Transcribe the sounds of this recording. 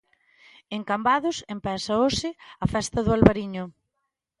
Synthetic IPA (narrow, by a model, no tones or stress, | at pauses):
eŋkambaðʊsempɛsɐoʃɪɐfɛst̪ɐðʊalβaɾiɲʊ